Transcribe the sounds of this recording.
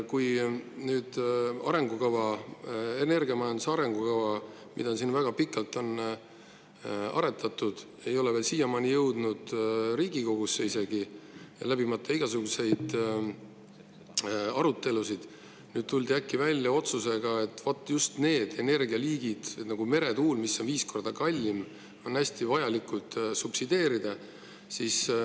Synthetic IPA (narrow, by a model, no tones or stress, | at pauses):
kujnyːd̪̥ɑ̰ɾe̞ŋɡukɑvɑ | e̞ne̞rɡiɑmɑjɑnd̪usɑɾe̞ŋɡ̥ukɑvɑ | mḭd̪̥ɑsinvæɡ̥ɑpikːɑlt̪ːˑo̞n | ɑ̰ɾe̞t̪ʰːˑɑt̪ˑːud̪̥ | e̞jo̞leveːlsiːjɑmɑːnijɤwd̪̥nud̪̥ɾiːɡiko̞ɡ̥usːeise̞ɡilæbimɑt̪ːˑɑiɡ̥ɑsuɡ̥use̞jd̪̥ | ɑɾut̪ːˑe̞lusid̪̥ | nyːd̥̪̚t̪ulʲd̪iækːivælʲːjɑo̞t̪suse̞ɡ̥ɑe̞t̪ːˑvot̪ːˑɑjust̪ne̞ːd̪̥e̞ne̞rɡiɑliːɡid̪̥et̪nɑɡ̥ume̞ɾe̞t̪uːlmisːo̞nviːsko̞rd̪̥ɑkɑlʲːim | o̞næsʲt̪ivɑjɑlikult̪supsid̪̥e̞ːɾid̪̥ɑ | siːs